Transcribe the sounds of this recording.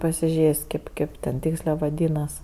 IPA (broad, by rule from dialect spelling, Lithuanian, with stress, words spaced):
pɐsʲɪˈʒʲeːsʲ kʲeːp ˈkʲeːp tʲɛn ˈtʲiːksʲlʲeː ʋɐˈdʲiːnɐs